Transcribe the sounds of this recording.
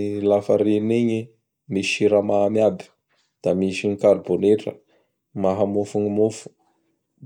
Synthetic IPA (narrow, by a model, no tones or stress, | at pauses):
lafəɾeniɲi | miʃiɾamamiabi̥ | d̪̥amiʃiŋikaɾboneʈ͡ʂə̰ | maɦamufuɲimufu̥